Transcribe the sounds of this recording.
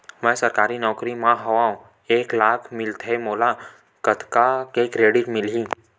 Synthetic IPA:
mɛ̃ːsɐɾkaːɾinɔːkɾimãɦoʋaũ | eːklaːkʰmɪlt̪ʰemoːla | kət̪kakekɾeːɖɪʈmɪlĩ

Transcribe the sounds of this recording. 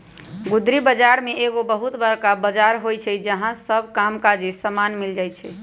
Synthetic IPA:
ɡud̪ɾibəd͡ʒaɾmeʔeɡobəɦut̪bəɾkabəd͡ʒaɾɦojt͡ʃʰɛd͡ʒəɦãsəbʱkamkad͡ʒisəmanmild͡ʒajt͡ʃʰɛ

